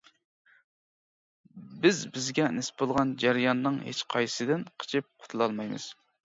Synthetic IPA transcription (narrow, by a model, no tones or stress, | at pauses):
bɪzbɪzɡʲɛnɪspbolˠʁɑnd͡ʒæɾɨjɑnːɨŋhḛt͡ʃqʰɑjsɨd̪ɪnqʰə̥t͡ʃʰɪp̚qʰʊ̥t̪ʰulˠɑlˠmɑjmɨ̰z̥